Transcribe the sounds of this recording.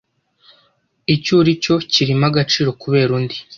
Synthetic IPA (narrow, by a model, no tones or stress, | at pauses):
icuːɾico̞ciɾimaɡat͡ʃiːɾo̞kuβe̞ːɾuːndi